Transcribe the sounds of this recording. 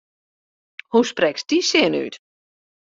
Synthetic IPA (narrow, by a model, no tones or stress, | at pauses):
husprɛksd̥isɪəny̰t